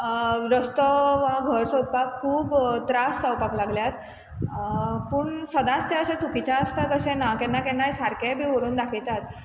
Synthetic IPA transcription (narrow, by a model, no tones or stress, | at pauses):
ɾəst̪əʋaɡʱəɾsod̪̚pakʰuːbt̪ɾasːəwpaklaɡljat̪ | puːɳsəd̪ãst̪ʰjeəɕẽt͡sukit͡ɕaəst̪at̪əɕɛ̃nakɛ̃nːakɛnːajsaɾkẽbʱiːʋəɾuːnd̪akʰilt̪at̪̚